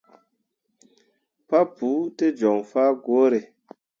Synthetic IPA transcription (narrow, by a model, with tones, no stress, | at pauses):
pa˦puː˨˦te˦d͡ʒɔ˨ŋfaː˦ɡo˨˦ɾe˨